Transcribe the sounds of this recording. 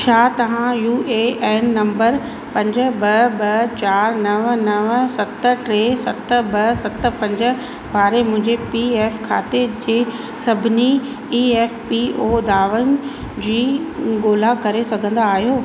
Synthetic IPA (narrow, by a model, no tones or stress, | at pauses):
t͡ɕʰaːt̪ɐʋ̤ãjuːʔeeːnːɐ̃mbəɾ | pɐ̃ɲd͡ʑə̆bɐbɐt͡ɕaːɾnɐʋnɐʋsɐt̪̆ʈɾeːsɐt̪əbɐsɐt̪̆pɐ̃ɲd͡ʑə̆ | ʋaːɾemʊ̃ɦɪ̃ɲd͡ʑepieːfkʰa̰ːt̪ed͡ʑeː | sɐbʱɪni | iːeːfpioːd̪aːʋənɪ̆ | d͡ʑiːɡoːlakɐɾesɐɡʱə̃nd̪aːɦijoː